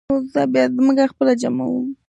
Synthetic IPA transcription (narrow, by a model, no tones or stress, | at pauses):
ozabjɑzməɡaxpəlad͡ʒama̰wu